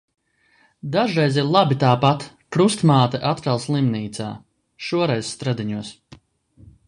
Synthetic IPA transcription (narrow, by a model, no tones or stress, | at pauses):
d̪aʒɾɛjziɾlˠabit̪aːpat̪ | pɾust̪maːt̪ɛʔat̪kalˠslˠimniːt̪sa̰ː | ʃuɔɾɛjzst̪ɾad̪iɲuɔs